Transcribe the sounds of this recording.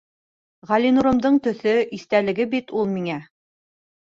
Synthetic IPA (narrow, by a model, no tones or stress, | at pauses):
ʁɑlʲinuɾɤ̆md̪ɤɴt̪ɵ̆θɵʔiθt̪ælɘ̆ɡɘbit̪ulˠmiŋæ